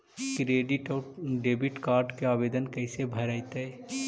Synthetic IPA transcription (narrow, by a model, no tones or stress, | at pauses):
kɾeɖiʈɔɖebiʈkaɾɖkeaːbed̪ənkəɪsebʱəɾəɪt̪ə